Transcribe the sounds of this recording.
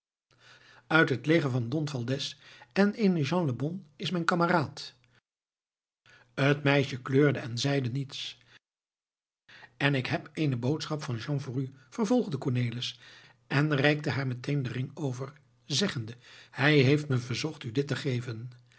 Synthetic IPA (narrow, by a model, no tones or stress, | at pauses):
œɥtɦətleχənvɑndɔnfɑlˠdɛsɛnɪnʒɑ̃nləbɔnɪsmɛjnkɑməraːt | ətmɛjʃəkløːɹdəɛnzɛjdənits | ɛnɪkɦɛpeːnəbowtsχɑpfɑnʒɑ̃ŋfʊryfəɹvɔlˠχdəkɔɹneːlɪs | ɛnrɛjk̚təɦaːɹmɛtʰejndərɪŋowvəɹ | zɛχəndəhɛjɦejftməvəɹzɔχtydɪtəχejvən